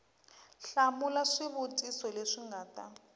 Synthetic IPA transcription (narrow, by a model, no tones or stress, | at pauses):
ɬamulaʂiβutʼisɔleʂiŋɡaːta